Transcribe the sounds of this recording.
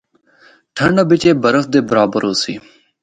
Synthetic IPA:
ʈʰəɳɖəbɪt͡ʃeːbəɾəf̚d̪eːbəɾaːbəɾɦoːsiː

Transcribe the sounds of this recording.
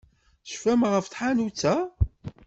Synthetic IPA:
θʃfæmʁəfθħanut͡sːæ

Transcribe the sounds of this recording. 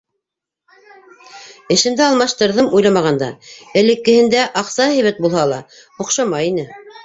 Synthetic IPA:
ɘ̆ʃɘ̆md̪ɘɑlˠmɑʃt̪ɤ̆ɾðɤmujlˠɑmɑʁɑnd̪ɑ̰ɘ̆lɘ̆kːɘ̆hɘ̆nd̪æʔɑqsɑhɘ̆jβæt̪̚bulˠhɑlˠɑ | hŏqʃɑmɑjinɘ

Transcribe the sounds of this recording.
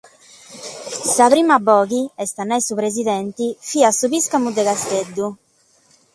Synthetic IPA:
sapɾiːmabɔːɣiɛst̪anajsupɾez̬iðɛnt̪ifiːasuβiskamud̪ɛɣast̪ed̪ːu

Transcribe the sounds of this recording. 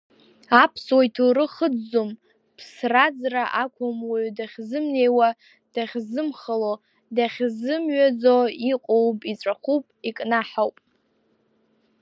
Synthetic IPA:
apʰswajtʰuɾɨχəd͡zːom | pʰsrad͡zraʔakʷʰamwaɥdaχʲzɨmne̞jwa | d̥aχʲzɨmχalo | daχʲzɨmɥad͡zoiqʼowpʼit͡sʷʼaχupʼikʼnaħawpʼ

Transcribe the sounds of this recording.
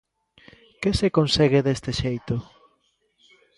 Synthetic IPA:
kesekonseɣeðest̪ɪʃejt̪ʊ

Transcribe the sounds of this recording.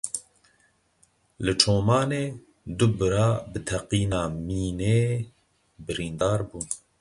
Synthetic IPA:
lɨt͡ʃʰoːmɑːneː | d̪ʊbɨɾɑːbɨt̪ʰɛqiːnɑːmiːneː | bɨɾiːnd̪ɑːɾbuːn

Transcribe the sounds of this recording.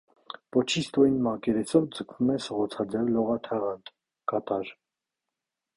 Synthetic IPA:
pɔt͡ʃʰist̪ɔinmɑkɛɾɛsɔvd͡zəkʰvumɛsəʁɔt͡sʰɑd͡zɛvlɔʁɑt̪ʰɛʁɑnt̪ | kɑt̪ɑɾ

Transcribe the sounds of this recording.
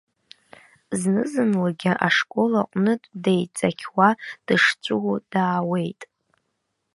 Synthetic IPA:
znɨzɨnlaɡʲaʔaʂkʷʼolaqʼnɨtʼdejt͡sʼakʲʰwad̥ɨʂt͡sʷʼud̥aːwe̞jtʼ

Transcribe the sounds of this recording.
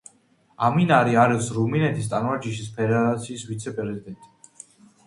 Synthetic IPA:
aminaɾiaɾɛsɾuminɛt̪ʰist̪ʼanvaɾd͡ʒiʃispʰɛɾaɾat̪sʰiːsvit̪sʰɛpʼɾɾɛzid̪ɛnt̪ʼi̥

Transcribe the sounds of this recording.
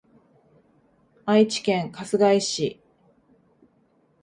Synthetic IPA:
ait͡ɕi̥kẽ̞ŋkasɨɡaiɕi

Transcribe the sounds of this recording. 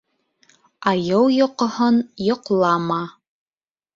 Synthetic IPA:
ɑjɤwjŏqŏhɤnjŏqlˠɑmɑ

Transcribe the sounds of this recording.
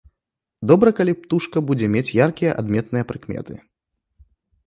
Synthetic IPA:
d̪ɔbɾɐkalʲipt̪uʂkɐbud͡zʲɛmʲet͡sʲjarkʲijɐʔa̰d̪mʲɛt̪nɨjɐpɾɨkmʲɛ̰t̪ɨ̰

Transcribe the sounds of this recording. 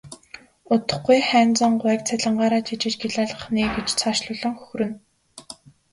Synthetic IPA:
ʊt̪ə̆χɡujχæːnt͡sə̆ɴɢʊɛ̆ːk̚t͡sʰæɮə̆ɴɢaːɾaːt͡ɕʰit͡ɕɪ̆t͡ɕɡeɮaːɮə̆χniːɡet͡ɕt͡sʰaːʃɮʊɮɞ̆ŋxɵxɵɾɵ̆n

